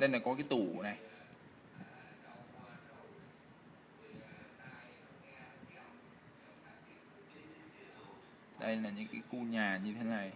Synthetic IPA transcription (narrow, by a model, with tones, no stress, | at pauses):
ɗə˧jnlaː˨˩kɔ˨˦kaː˨˦t̪ṵ˧˨˩na˨˩j | ɗə˧jlaː˨˩ɲɨ̰˧˦ŋkaː˨˦jxu˧ɲaː˨˩ɲɨ˧t̪ʰe˨˦na˨˩j